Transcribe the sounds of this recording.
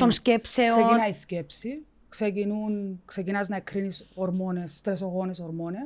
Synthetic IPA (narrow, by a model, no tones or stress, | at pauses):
t̪onscepsesosekinɐisce̞psi | ksecinunksecinɐznɐekɾinisoɾmo̞ne̞sːt̪ɾesoɣo̞ne̞so̞ɾmo̞ne̞s